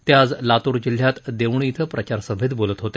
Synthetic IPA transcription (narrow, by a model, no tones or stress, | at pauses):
t̪jad͡zlat̪uɾd͡ʑil̤ːjat̪d̪eʋɳiit̪ʰəpɾʔət͡ɕaɾsəbʱid̪bolət̪ɦot̪e